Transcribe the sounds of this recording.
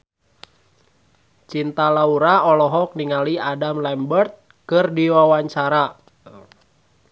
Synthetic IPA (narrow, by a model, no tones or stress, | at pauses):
t͡ʃint̪alauɾaɔlɔɦɔk̚niŋaliadamlɛmbərt̪̚ | kɨrdiwawaɲt͡ʃaɾa